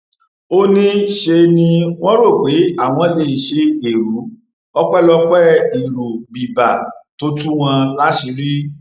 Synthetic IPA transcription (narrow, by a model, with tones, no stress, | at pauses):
o˦nĩ˦ʃe˧nĩ˧w̃ɔ̃˦ɾo˦˨k͡pe˨˦a˦˨w̃ɔ̃˨˧˦le˧˨i˨ʃe˧e˨ɾu˨˦ | ɔ˦k͡pɛ˦lɔ˧k͡pɛ˦i˨ɾo˨bi˨ba˨to˦tũ˦w̃ã˧la˦ʃi˧˦ɾi˦